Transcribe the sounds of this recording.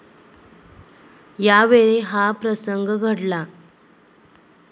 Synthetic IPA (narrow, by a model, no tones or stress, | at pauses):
jaʋeɭeɦapɾəsəŋɡʱɡʱəɽla